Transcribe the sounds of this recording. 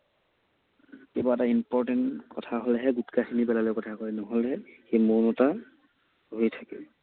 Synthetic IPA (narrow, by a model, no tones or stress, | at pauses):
kebaɛtaimpɔɹtɛntkɔtʰaɦolɛɦɛɡutkaxinibɛlalojkɔtʰakojnɔɦolɦɛxejmonɔta | ɦojtʰakɛ